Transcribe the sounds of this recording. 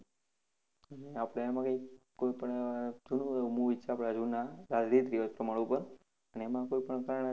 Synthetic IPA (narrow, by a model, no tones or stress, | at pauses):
əneapɽaemãkəikkːoipəɳead͡ʒunũemũʋit͡ʃʰeapɽ̃ad͡ʒunaɾadɾit̪ɾiʋəd͡ʒpɾəmaɭũpəɾ | əneemãkoipəɳkaɾəɳ̃